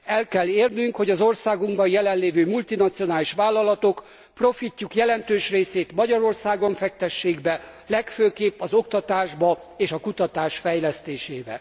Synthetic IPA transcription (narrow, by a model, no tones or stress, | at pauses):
ɛlkɛlːeːrnyŋkhoɟɒzo̞rsaːɡuŋɡbɒnjɛlɛnleːvøːmult̪inɒt̪sijo̞naːliʃʋaːlːɒlɒt̪o̞k | pro̞ficːukjɛlɛnt̪øːʃreːseːt̪mɒɟɒɾo̞rsaːɡo̞ɱfɛkt̪ɛʃːeːɡbɛlɛkføːkeːpːɒzo̞k̚t̪ɒt̪aːʒbɒ | eːʃɒkut̪ɒt̪aːʃfɛjlɛst̪eːʃeːbɛ̰